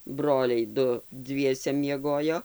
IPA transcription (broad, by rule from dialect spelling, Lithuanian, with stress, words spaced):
ˈbroːlʲɛɪ ˈdʊ ˈdʲʋʲiɛsʲɛ mʲiɛˈɡoːjoː